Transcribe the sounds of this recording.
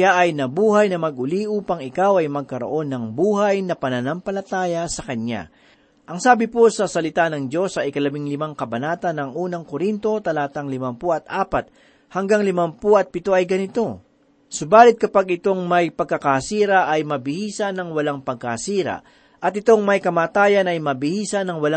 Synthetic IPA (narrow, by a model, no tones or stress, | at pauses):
jaʔɐjnɐbuːɦɐjnɐmɐɡ̚ʔʊliʔuːpɐŋɪkawɐjmɐɡ̚kɐɾo̞̰ʔo̞nːɐŋbuːɦɐjnɐpɐnɐnampɐlɐt̪aːjɐsɐkɐna̰ | ʔɐŋsaːbɪposɐsɐlɪt̪anɐŋd͡ʒo̞sɐɪjkɐlɐbiŋlɪmaŋkɐbɐnaːt̪ɐnɐŋʔuːnɐŋkoɾint̪o̞t̪ɐlaːt̪ɐŋlɪmampoʔɐt̪̚ʔaːpɐt̪̚ | hɐŋɡaŋlɪmɐmpoʔɐt̪̚pɪt̪o̞ʔɐjɡɐnɪt̪o̞ | sʊbaːlɪt̪̚kɐpaɡɪt̪o̞ŋmɐjpɐɡ̚kɐkasiːɾɐʔɐjmɐbɪhiːsɐnɐŋwɐlaŋpɐɡ̚kɐsiːɾɐ̰ | ʔɐt̪̚ɪt̪o̞ŋmɐjkɐmaːt̪aːjɐnɐjmɐbɪhiːsɐnɐŋwɐla